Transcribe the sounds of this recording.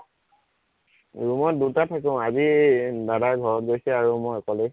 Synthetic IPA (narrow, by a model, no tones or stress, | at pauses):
ɹumɔt̚dutatʰak̬ẽʊ̃azidadaɡʱɔɹɔt̚ɡojsɛaɹumɔjɔkɔle